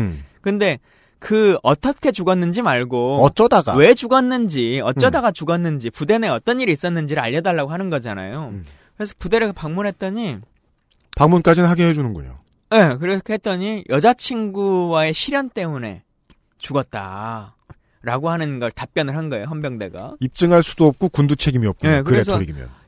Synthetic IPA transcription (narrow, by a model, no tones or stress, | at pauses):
kɯnde̞ | kɯʌt͈ʌkʰe̞t͡ɕuɡʌnːɯnd͡ʑimaɭɡoʌt͡ɕ͈ʌdaɡa̰we̞d͡ʑuɡʌnːɯnd͡ʑiʌt͡ɕ͈ʌdaɡat͡ɕuɡʌnːɯnd͡ʑipude̞neʌt͈ʌniɾiːs͈ʌnːɯnd͡ʑiɾɯɭa̰ʎːʌdaɭːaɡoɦanɯnɡʌd͡ʑana̰jo | kɯɾe̞sʰʌ̥pude̞ɾɯpaŋmunɦe̞t̚t͈ʌɲi | paŋmunk͈ad͡ʑinɯnɦaɡeɦed͡ʑunɯnɡṵɲo̰ | je̞kɯɾekhet̚t͈ʌɲijʔʌd͡ʑat͡ɕʰiŋɡuwae̞ɕʰiɾjʌnt͈e̞mune̞̰ | t͡ɕuɡʌt̚t͈a̰ | ɾaɡohanɯnɡʌɭtap͈̚jʌnɯɭɦanɡʌejoɦjʌmbjʌŋde̞ɡa̰ip̚t͡ɕ͈ɯŋɦaɭs͈u̥doʌp̚k͈okundut͡ɕʰe̞ɡimiʌp̚k͈uekɯɾes̬ʰʌoɾiɡimjʌ̰n